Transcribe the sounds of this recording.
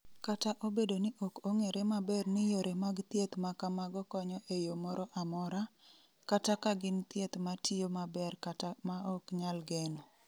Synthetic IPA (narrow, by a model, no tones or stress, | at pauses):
kataʔobedonɪʔɔkoŋeɾemabɛrnɪjoɾemaɡt̪jet̪makamaɡɔkɔɲɔʔejomɔɾɔʔamɔɾa | katakaɡɪnt̪jet̪matʰijomabɛrkatamaɔkɲalɡɛno